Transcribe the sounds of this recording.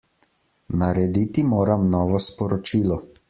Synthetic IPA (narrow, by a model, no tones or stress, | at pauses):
naɾɛd̪it̪imoːɾamnɔːʋɔspɔɾɔt͡ʃiːlɔ